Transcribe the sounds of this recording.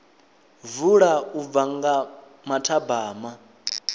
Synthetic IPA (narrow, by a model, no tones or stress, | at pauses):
vuɺaub̪vaŋɡa | matʰabaːma